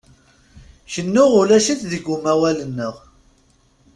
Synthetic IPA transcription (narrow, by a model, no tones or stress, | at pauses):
çənːʊʁʊlæʃiθðəɡumæwælənːəʁ